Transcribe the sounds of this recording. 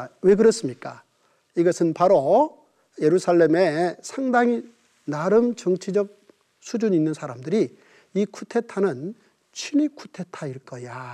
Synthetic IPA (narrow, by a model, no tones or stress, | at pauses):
we̞k̬ɯɾʌs͈ɯmɲik͈a | iɡʌsʰɯnpaɾo | je̞ɾusʰaɭːe̞mesʰaŋdaŋi | naɾɯmt͡ɕʌŋt͡ɕʰid͡ʑʌk̚ | sʰud͡ʑuɲinːɯnsʰaɾamdɯɾi | ikʰutʰe̞tʰanɯn | t͡ɕʰinikʰutʰe̞tʰaiɭk͈ʌja